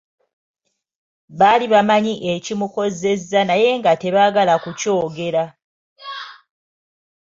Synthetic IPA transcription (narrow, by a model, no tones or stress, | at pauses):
βaliβamaɲiʔe̞cimuko̞ze̞zanaje̞ŋɡate̞βaɡalakuco̞ːɡe̞ɾa